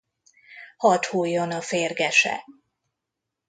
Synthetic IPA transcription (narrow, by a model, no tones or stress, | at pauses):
hɒt̪huːjːonɒfeːrɡɛʃɛ̰